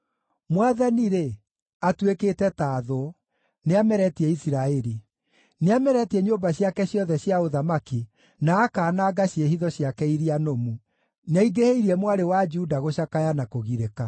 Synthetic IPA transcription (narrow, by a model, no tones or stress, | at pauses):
mwaðaniɾe | atweketɛtaːðo | neamɛɾɛtiɛisiɾaɛɾi | neamɛɾɛtiɛɲoːmbaɕjakɛɕjɔðɛɕjaoðamaki | naːkaːnaːɡaɕiehiðɔɕjakɛiɾianomu | naiɡeheiɾiɛmwaɾewad͡ʒuːdaɣoɕakajanakoɣiɾeka